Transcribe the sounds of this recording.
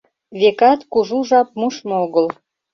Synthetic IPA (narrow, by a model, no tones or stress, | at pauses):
βekɑt̪kuʒuʒɑp̚muʃmoɣəl